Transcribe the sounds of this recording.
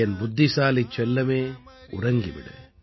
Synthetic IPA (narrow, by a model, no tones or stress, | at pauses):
ɐnbʊd̪ʱːisaːlit͡ʃːɛlːɐmeːʊ̰rɐŋɡiʋɪ̰ɽɯ̰